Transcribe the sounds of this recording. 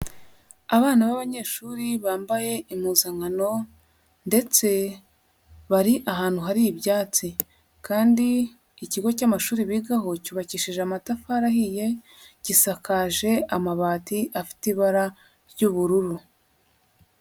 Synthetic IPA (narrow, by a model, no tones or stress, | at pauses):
aβaːnaβaβaɲe̞ːʃuːɾiβaːmbaje̞ʔimuzaŋano̞ | nde̞t͡se̞ | βaɾiʔaɦaːn̥huɦaɾibjaːt͡si | kaːndiː | ciɡo̞camaʃuːɾiβiɡaɦo̞cuːβaciʃiʒeamatafaɾahije̞ | cisakaʒe̞ʔamaβaːtiʔafi̥tiβaɾa | ɾjuβuɾuɾu